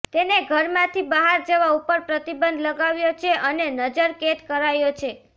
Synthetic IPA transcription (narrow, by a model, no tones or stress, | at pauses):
t̪eneɡʱəɾmãt̪ʰibaɦaɾd͡ʒəʋaupəɾpɾət̪ibənd̪ʱləɡaʋjot͡ʃʰeʔənenəd͡ʒəɾket̪kəɾajot͡ʃʰe